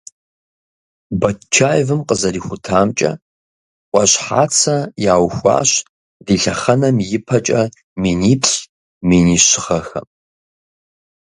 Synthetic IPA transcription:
bɐtt͡ʃʰaːjvɨmqəzɐriːxʷʊtʰaːmt͡ʃʼɐ̰ | qʷʼɔɕħa̰ːt͡sʰɐjaːwxʷɑ̰ːɕ | diːɬɐχɐnɐmjɪpʰɐt͡ʃʼɐ | meːniːpʰɕ | meːniːɕɪχɐxɐ̰

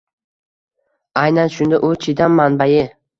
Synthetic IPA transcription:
ajnanʃʊnd̪aʔʊt͡ʃʰɪd̪ammanbajɪ

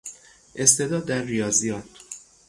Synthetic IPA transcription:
ʔe̞st̪e̞d̪ɒːd̪ːæɾːijɒːzijɒːt̪ʰ

